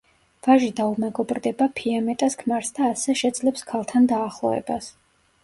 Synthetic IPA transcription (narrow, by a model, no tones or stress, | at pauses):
v̥aʒid̪aumɛɡɔbɾd̪ɛbapʰiamɛt̪ʼaskʰmaɾsd̪aːsɛʃɛd̪zlɛpskʰalˠt̪ʰand̪aːχlˠɔ̰vɛ̰bas